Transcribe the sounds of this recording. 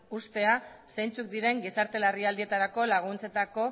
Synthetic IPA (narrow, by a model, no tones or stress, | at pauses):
ust̪e̞asejnt͡sukd̪iɾe̞ŋɡisaɾt̪e̞lariald̪ie̞t̪aɾako̞laɣ̞unt͡se̞t̪ako̞